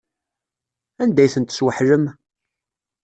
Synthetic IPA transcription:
ænd̪æjθənt̪ə̥swəħləm

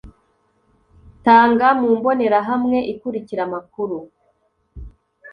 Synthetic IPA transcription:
taːŋɡamuːmbo̞ne̞ɾaɦamŋe̞ʔikuɾiciɾamakuɾu

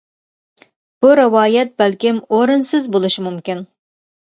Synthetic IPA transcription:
b̥uɾɪwɑːjɛt̪̚bælkʲɪmoɾɨnsɨzbolˠɨʃimumkʲin

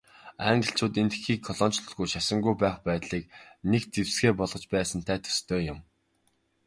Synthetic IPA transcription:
æŋɢə̆ɬt͡ɕʊːt̪ent̪ɘ̥̆xiːkʰːɔɮɔːnt͡ɕɮɞ̆ɮɣujʃasə̆ŋɡujpæːχpæːt̪ɮiːk̚nekt͡sewsɡeːpɔɮʁɞ̆t͡ɕpæːsə̆nt̪ʰæːt̪ʰɵ̥st̪ʰoːjʊm

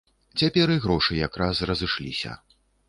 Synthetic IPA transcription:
t͡sʲapʲɛɾɨɣɾɔʂɨjakɾasrɐzɨʂlʲisʲɐ̰

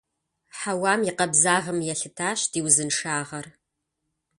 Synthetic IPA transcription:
ħawaːmiqɐbzaːʁɐmjɛɬɨtʰaːɕd̥iːwzɨnʂaːʁɐr

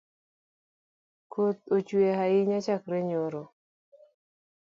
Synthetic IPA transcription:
kʰot̪̚ot͡ʃweɦaɪɲat͡ʃakɾeɲoɾo

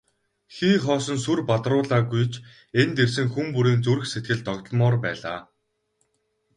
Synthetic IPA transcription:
xiːχɔːsɞ̆nsurpat̪rʊːɮaːɡujt͡ɕʰ | ent̪ersɘ̆ŋxumpuɾiːnt͡suɾɘ̆xset̪̚ɡɘ̆ɮt̪ɔkt̪̆ɮmɔːrpæ̰ːɮa̰ː

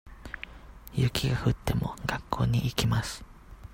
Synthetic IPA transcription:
jɯkʲʰiɡahɯ̟t̪ːe̞mo̞̰ɡ̥akʰːo̞̰ːɲ̟iʔikʲimasɨ̥

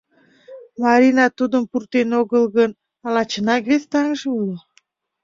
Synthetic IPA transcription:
mɑɾʲinɑt̪ud̪əmpurt̪enoɣəlɣən | ɑlɑt͡ɕənɑkβest̪ɑŋʒɤulə

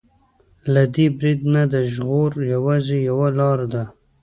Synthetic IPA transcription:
lad̪ibɾid̪nad̪əʒɣoɾjawɑzejawalɑɾd̪a

